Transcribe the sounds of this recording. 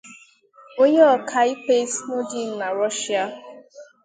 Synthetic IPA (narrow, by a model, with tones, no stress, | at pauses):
o˦ɲe˦ɔ˨kʰa˨i˦pe˦snʊ˦dɪ˦˨na˨ɾɔ˦ʃi˦a˦